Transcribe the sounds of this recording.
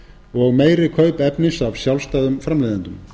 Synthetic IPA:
ɔɣmeːjɾɪkʰœːɥpɛpnɪsavsjawlst̪aːðʏmfɾamlejðɪnt̪ʏm

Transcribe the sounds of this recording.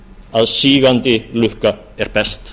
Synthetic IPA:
aðsiːɣant̪ɪlʏhka | ɛɾpɛst̪

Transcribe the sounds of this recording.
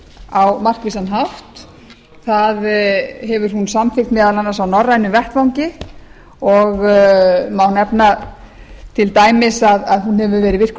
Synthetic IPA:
awmar̥kviːsanɦaft̪ | θaðɦɛvʏɾ̥hunsamfɪkt̪mɛːðalanːasawnɔrːajnʏvɛht̪vawŋcɪ | ɔɣ | mawnɛpna | t̪ʰɪlt̪aːjmɪsaðaðɦunhɛvʏvɛːɾɪvɪr̥k

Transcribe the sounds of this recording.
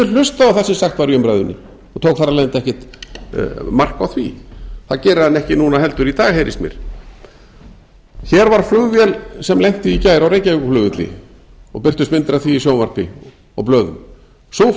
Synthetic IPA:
ʏl̥ʏst̪aawθḁsɪmsaxt̪vaɾiʏmpɾajðʏnːɪ̰ | ɔt̪ʰowkθaɾalɛnt̪ɛhcɪt̪ | mar̥kawθvḭθaðcɛːɾaðanːɛhcɪnunaɦɛlt̪ʏɾit̪aːɣhejɾʔɪ̰smjɛ̰ɾ̥ | çɛɾvaɾ̥flʏɣvjɛlsɛmlɛjn̥t̪ɪːcaːjɾawɾejcajʏkʏflʏɣvʏt̪lɪ̰ | ɔ̰pɪr̥t̪ʏst̪mɪnt̪ɾaθiːsjoːwmar̥pɪ | ɔ̰plœːðʏm | so

